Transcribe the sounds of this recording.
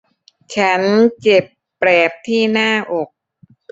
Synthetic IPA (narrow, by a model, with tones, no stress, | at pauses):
t͡ɕʰa˦˥nt͡ɕe˨˩pːɾɛː˨˩p̚t̪ʰiː˥˩naː˥˩ʔo˨˩k̚